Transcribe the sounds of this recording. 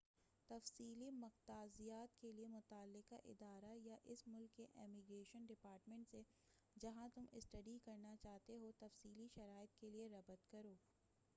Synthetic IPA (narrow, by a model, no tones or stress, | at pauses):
t̪ɐfsiːlimɐqt̪aːzijaːt̪keliemʊt̪aːlːɪqaʔɪ̰d̪aːɾajaʔɪsmʊlkːeʔɛːmiɡɾeːʃənɖɪpaːɾʈmẽɳʈse | d͡ʒɐɦãt̪ʊmɪ̰sʈɐɖikɐɾnat͡ʃaːɦt̪eɦot̪ɐfsiːliʃɐɾaːɪt̪kelieɾɐbət̪kɐɾoː